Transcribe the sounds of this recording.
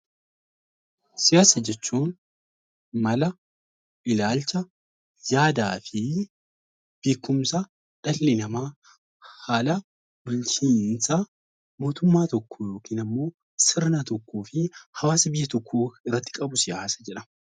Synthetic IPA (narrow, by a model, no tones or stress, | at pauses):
sɪjaːsɐd͡ʒɛt͡ʃːuːn | mɐlɐ | ʔɪlaːlt͡ʃɐ | jaːd̪a̰ːfɪ | b̥iːkːʊmsɐ | ᶑɐlːɪnɐmaː | haːlɐ | bʊlt͡ʃiːnsɐ | mo̞ːt̪ʊmːaːt̪ɔkːojo̞ːkiːnɐmːo̞ː | sɪɾnat̪ɔkːuːfɪhɐwaːsɐbɪjːɐt̪ɔkːuːɪrːɐt̪ːɪ̥kʼɐbʊsɪjaːsɐ̥d͡ʒɛᶑɐ